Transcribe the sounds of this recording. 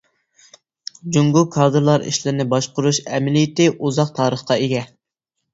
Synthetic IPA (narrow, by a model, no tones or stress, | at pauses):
d͡ʒuŋɡukʰɑːd̪ɨɾlˠɑɾḭʃlɪɾɪnɪbɑʃqʊɾuʃɛmɪlijɪt̪ɪʔuzɑqt̪ʰɑːɾəχqɑeɡʲɛ